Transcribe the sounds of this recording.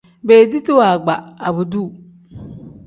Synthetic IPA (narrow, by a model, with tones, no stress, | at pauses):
be˨di˦tɪ˦wa˨ɡ͡ba˨a˨bu˨du˦˨